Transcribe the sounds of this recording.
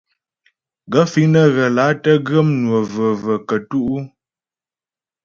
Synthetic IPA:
ɡə˨˦fi˨˦nə˦ɣə˨la˨˦tə˦ɡə˦mnwə˨və˨və˨kə˨tu˦ʔu˦

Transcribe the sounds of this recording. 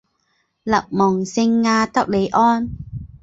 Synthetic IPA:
lɐ˨˩k̚mɔː˨˩ŋsɪ˧ŋːaː˧t̪ɐ˥k̚le˨˦jʔɔː˥n

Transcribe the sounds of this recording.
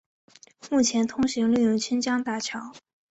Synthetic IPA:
mu˥˩t͡ɕʰjɛ˧˥nt̪ʰʊ˥ŋɕi˧˥ŋly˥˧jʊ˥˩ŋt͡ɕʰi˥nt͡ɕjɑ˥ŋt̪a˥˩t͡ɕʰjɑ˧˥˦ʊ

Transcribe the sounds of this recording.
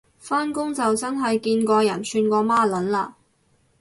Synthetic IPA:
faː˥nkʊ˥ŋt͡sɐ˨wt͡sɐ˥nɦɐ˨jkiː˧nkʷɔː˧jɐ˨˩nsʰyː˧nkʷɔː˧maː˥lɐ˨˥nlaː˧

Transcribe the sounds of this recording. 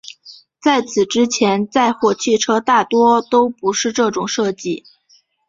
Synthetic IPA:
t͡sa˥˩ɪt͡sʰɹ̩˨˩ʈ͡ʂɻ̩˥t͡ɕʰjɛ˧˥nt͡sa˥˧ɪxwɔ˥˩t͡ɕʰi˥˩ʈ͡ʂʰɤ˥t̪a˥˩t̪wɔ˥t̪o˥ʊpu˧˥ʂɻ̩˥˧ʈ͡ʂɤ˥˩ʈ͡ʂʊ˨˩ŋʂɤ˥˧t͡ɕi˥˩

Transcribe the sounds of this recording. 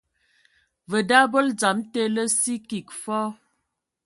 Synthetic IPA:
və˨da˦bo˦ld͡za˨˦mte˦lə˦si˦ki˨k̚fɔ˦

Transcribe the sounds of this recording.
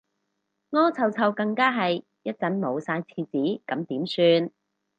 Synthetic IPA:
ŋɔː˥t͡sʰɐ˨˧wt͡sʰɐ˨wkɐ˧ŋkaː˥ɦɐ˨j | jɐ˥t̚t͡sɐ˨˥nmo˨˧wsaː˧jt͡sʰiː˧t͡siː˨˥kɐ˨˥mt̪iː˨˥msyː˧n

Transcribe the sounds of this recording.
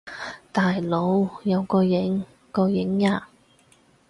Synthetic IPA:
t̪aː˨jlo˨˧wjɐ˨˧wkɔː˧jɪ˨˥ŋ | kɔː˧jɪ˨˥ŋːaː˧

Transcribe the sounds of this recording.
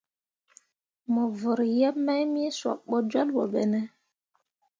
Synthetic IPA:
mɔ˨və˨ɾja˦pma˦jmi˦swa̰˨ɓo˦d͡ʒwa˦lwo̰˨ɓɛ˨nɛ˦

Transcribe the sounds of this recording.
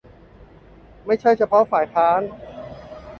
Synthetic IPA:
ma˥˩jt͡ɕʰa˥˩jt͡ɕʰa˧pʰɔ˦˥faː˨˩jt̪ʰaː˦˥n

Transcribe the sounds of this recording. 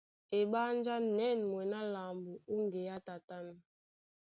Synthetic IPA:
e˨ɓa˦nd͡ʒa˦nɛ˦˨n˨mwɛ˨na˦la˨mbu˨o˦ŋɡe˨ja˦ta˨ta˦na˨

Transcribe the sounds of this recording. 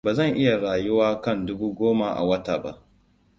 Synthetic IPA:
baː˨zɐ˦˨ŋʔɪ˦ja˨ɽaː˨jʊ˦waː˦kɐ˦˨ndʊ˦buː˦ɡʷoː˦ma˨ʔa̰˨wɐ˦taː˨ba̰˦ʔ

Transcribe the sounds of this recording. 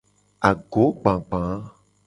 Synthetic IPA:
a˨ɡo˨˦ɡ͡bã˨ɡ͡bã˨˦

